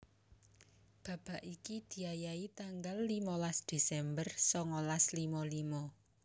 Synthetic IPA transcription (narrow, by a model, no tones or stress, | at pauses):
b̥ä̤b̥a̤ʔikid̪̥i̤ajait̪aŋɡalːimɔlasd̪̥e̤sɛmbərsɔŋɔlaslimɔlimɔ